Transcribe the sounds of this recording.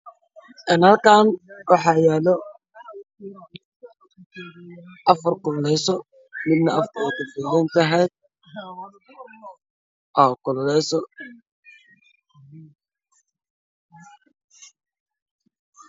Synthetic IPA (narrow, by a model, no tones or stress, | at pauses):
ʔɛːnhɐlkʰaːnwɑħɑːjɛːlɔ | ʔɐfɐrkʊllɛsɔ | mɪd̪nɐɐfkʰʊɔːt̪ʊbɛjɛnt̪ɐɦɛjd̪̚ | ʔɔːkʰʊllɛsɔ